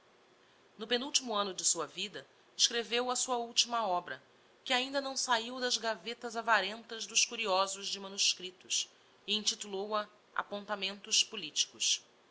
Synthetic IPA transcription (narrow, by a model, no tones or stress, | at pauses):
nʊpenuwt͡ʃimuɐ̃nʊd͡ʒɪsuɐvid̪ɐ | ɪʃkɾevewɐsuɐuwt͡ʃimɐɔbɾɐ | kɪaĩnd̪ɐnɐ̃w̃saiwd̪ɐzɡavet̪ɐzavaɾẽnt̪ɐzd̪ʊʃkuɾiɔzʊʒd͡ʒɪmɐ̃nuʃkɾit̪ʊs | ɪĩt͡ʃit̪ulowɐ | a̰põnt̪amẽnt̪ʊʃpulit͡ʃi̥kʊʃ